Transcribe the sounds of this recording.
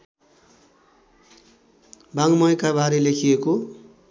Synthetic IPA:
baŋmʌjkabaɾelekʰijeko

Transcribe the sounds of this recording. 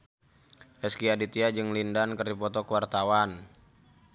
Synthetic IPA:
ʔɛskiadit̪iad͡ʒɨŋlindankəripɔt̪ɔkəwart̪awan

